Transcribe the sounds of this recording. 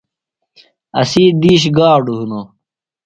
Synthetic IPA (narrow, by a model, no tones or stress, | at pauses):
ɐ̰siːd̪iːɕ̬ɡaːɖuɦuno